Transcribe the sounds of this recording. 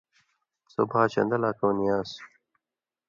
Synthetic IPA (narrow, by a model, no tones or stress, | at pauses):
sobʱaːt͡ɕɐ̰nd̪ɐlaːkownijaːs